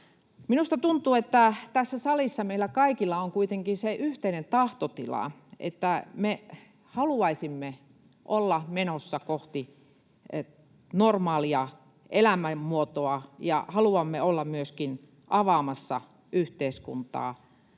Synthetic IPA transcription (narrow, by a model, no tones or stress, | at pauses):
minust̪ɑt̪unt̪uːet̪ːæt̪æsːæsɑlisːɑmeilːˑækɑikilːɑoŋkuit̪eŋkinseʔyht̪einent̪ɑht̪ot̪ilɑ̰ḛt̪ːæme | hɑluɑisimːe | ʔolːɑmenosːɑkoht̪i | normɑːliɑ | elæmæmmuot̪oɑjɑ̰hɑluɑmːeolːɑmmyøskin | ʔɑʋɑmɑsːɑ̰ | ʔyht̪eiskṵnt̪ɑ̰ː